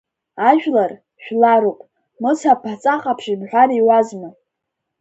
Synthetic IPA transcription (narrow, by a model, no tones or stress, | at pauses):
aʒᶣlar | ʃᶣlaɾopʼ | mɨt͡sʰapʰat͡sʼaχʼapʰʃibħʷᶣariwazmɨ